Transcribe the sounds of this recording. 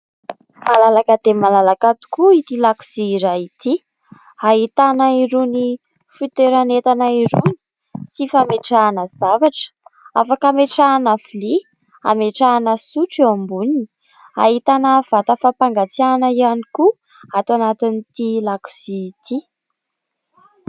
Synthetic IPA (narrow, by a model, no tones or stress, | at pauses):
malalakəd̪̥emalalakat̪u̥kuit̪ilaku̥siːɾait̪i | aɦit̪anaiɾuni | fut̪eɾanet̪anaiɾuni̥ | sifameʈ͡ʂaːnəz̥avaʈ͡ʂə̥afakameʈ͡ʂaːnafli | a̰meʈ͡ʂaːnəsuʈ͡ʂeambunini̥ | a̰ɦit̪anəv̥at̪əfapaŋɡat͡sianəianiku | at̪wanat̪init̪ilaku̥siːt̪ʰi